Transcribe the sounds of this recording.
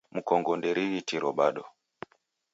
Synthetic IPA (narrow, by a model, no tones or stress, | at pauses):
m̩kɔŋɡɔndɛɾiɣitiɾɔɓaɗɔ